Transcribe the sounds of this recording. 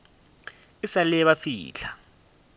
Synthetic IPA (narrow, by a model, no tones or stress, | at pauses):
isalɛɛβafḭːɬa